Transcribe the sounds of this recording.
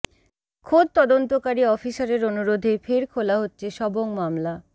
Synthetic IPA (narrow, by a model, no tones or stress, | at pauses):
kʰod̪̚t̪ɔd̪ont̪okaɾiɔfisaɾeɾonuɾod̪ʱefeɾkʰolaɦotːɕʰeʃɔboŋmamla